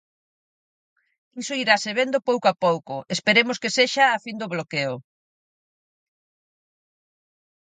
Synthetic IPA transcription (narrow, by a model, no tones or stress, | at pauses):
isoiɾaseβend̪opowkoapowkʊespeɾemʊskeseʃaːfind̪oβlokeʊ